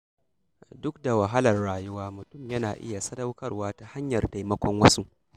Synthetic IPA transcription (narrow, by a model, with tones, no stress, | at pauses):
dʊ˦k̚da˨wɐ˨ɦɐ˦lɐ˨rːaː˨jʊ˦waː˦mʊ˨tʊ˦˨mjɐ˦naː˨ʔɪ̰˦ja˨sɐ˦dɐ˦wkɐ˦rwaː˦ta˨ha˦ɲjɐ˨rda˨jmɐ˦kʷɔ˦ŋwɐ˦su˦